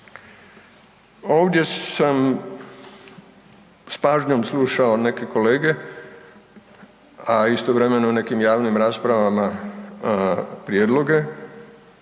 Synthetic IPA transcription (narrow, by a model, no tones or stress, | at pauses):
o̞ːʋd̪je̞sam | spaːʒɲo̞msluːʃaone̞ke̞ko̞le̞ːɡe̞ | aist̪oʋɾe̞me̞none̞kimjaːʋnimɾaːspɾaʋama | pɾjeːd̪lˠo̞ɡe̞